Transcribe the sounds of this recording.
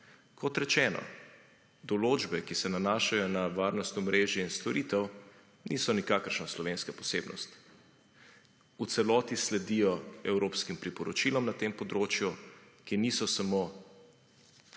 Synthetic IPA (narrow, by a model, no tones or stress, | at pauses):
kɔt̪ɾɛt͡ʃɛːnɔ̰ | d̪ɔloːd͡ʒbɛkisɛnanaːʃajɔnaʋaːɾnɔst̪ɔmɾeːʒiinst̪ɔɾiːt̪ɛw | nisɔnikaːkəɾʃnaslɔʋeːnskapɔ̥seːbnɔ̰st̪ | ut̪sɛlɔːt̪islɛd̪ijɔɛwɾoːpskimpɾipɔɾɔt͡ʃilɔmnat̪eːmpɔd̪ɾoːt͡ʃjukinisɔsamoː